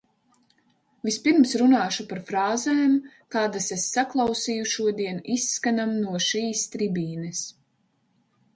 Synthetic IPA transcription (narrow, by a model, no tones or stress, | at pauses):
vispiɾmsɾunaːʃupaɾfɾaːzɛːm | kaːd̪asesːaklˠɑwsiːjuʃuɔd̪iɛnisːkanamnuɔʃiːst̪ɾibiːnɛs